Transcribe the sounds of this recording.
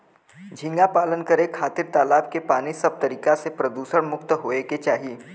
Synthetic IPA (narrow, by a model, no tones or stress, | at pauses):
d͡ʒʱɪ̃ŋɡapaːlənkɐɾekʰaːt̪ɪɾt̪aːlaːbkepaːnisɐb̚t̪ɐɾiːkasepɾɐd̪uːsəɽmʊkt̪ɦoːeket͡ʃaːɦieː